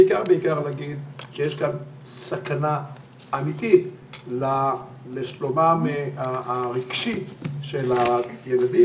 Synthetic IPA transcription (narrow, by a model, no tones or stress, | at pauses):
eikaʁbeikaʁlaɡid̪ʃejeʃkan | sakanaː | mit̪it | la | leʃlomameaaʁiɡ̥ʃiʃelajelad̪i